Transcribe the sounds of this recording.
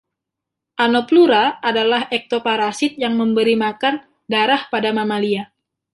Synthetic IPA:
ʔanopluɾaʔːdalaɦɛk̚t̪opaɾasɪt̪̚jaŋməmbəɾimakan | daɾahpadamamalia

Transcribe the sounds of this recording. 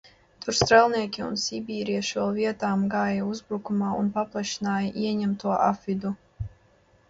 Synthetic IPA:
t̪uɾst̪ɾɛlˠniɛkʲiṵnsibʲiːɾijaʃɛlˠviɛt̪aːmɡaːjauzbɾukumaːunpaplˠaʃinaːjɐʔiɛɲɛmt̪uɔʔa̰fid̪u

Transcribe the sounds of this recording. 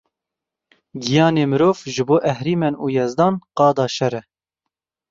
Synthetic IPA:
ɡijɑːneːmɨɾoːvʒɨboːʔɛhɾiːmɛnuːjɛzd̪ɑːnqɑːd̪ɑːʃɛɾɛ

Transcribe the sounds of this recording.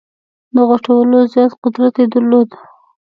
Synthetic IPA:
d̪əɣoʈawəlozjɑt̪qʊd̪ɾat̪ed̪əɾlod̪

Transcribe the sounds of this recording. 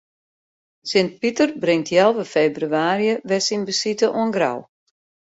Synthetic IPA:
sɪnt̚pitərbrɪŋtʰjɛlˠvəfeːbryaːrjəʋɛsinbəsitəʔuənɡra̰w

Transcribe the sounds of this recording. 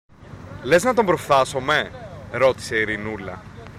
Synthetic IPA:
le̞znɐt̪o̞mbɾo̞fθɐso̞me̞ɾo̞t̪i̥se̞iɾinulɐ̰

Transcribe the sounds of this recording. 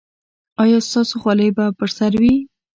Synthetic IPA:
ɑjɑst̪ɑsoxwɑləjbapəɾsaɾwi

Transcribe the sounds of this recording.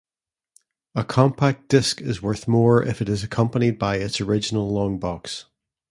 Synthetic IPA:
əkʰɔ̃mpʰak̚d̥ɪskɪzwɜ˞θmɔɹʔɪ̰fɨʔɪzəkʰʌ̃mpənid̚baɪɪtsə˞ɪd͡ʒɪnəlˠlˠɔ̃ŋbɔks

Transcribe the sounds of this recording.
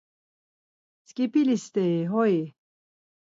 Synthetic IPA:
skipilist̪eɦoi

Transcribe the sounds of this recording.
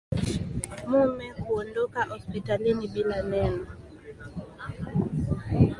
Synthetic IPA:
mumɛkuondokaʔɔspitalinibilanɛnɔ

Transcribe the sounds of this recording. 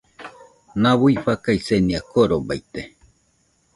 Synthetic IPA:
naβuiɸakaiseniakoɾobait̪e

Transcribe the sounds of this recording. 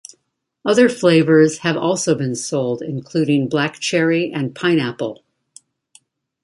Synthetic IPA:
ʌðə˞fleɪvə˞z̥ɨvɔlˠsoʊbɨ̃nsoʊlˠdɪ̰̃nkʰl̥ʉɾɪ̃ŋblækt͡ʃʰɛɹiʔɨ̃npʰãɪ̃ñæpl̩ˠ

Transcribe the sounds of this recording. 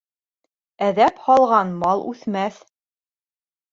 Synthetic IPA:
æðæphɑlˠʁɑnmɑlˠʔʉ̰θmæθ

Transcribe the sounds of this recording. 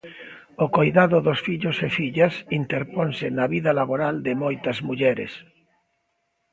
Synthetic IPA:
okojðaðoðosfiʎosefiʎasint̪eɾponsenaβiðalaβoɾald̪emojt̪azmuʎeɾḛs

